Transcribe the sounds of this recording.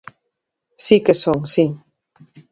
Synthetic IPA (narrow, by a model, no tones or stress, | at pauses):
sikesoŋsiŋ